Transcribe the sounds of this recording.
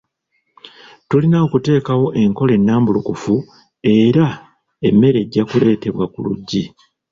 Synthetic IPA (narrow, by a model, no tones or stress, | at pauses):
tulinaokute̞ːkawo̞ʔe̞ŋko̞le̞nːaːmbulukufu | e̞ːɾa | e̞mːe̞ɾe̞ɟːakule̞ːte̞βwakṵlṵɟːi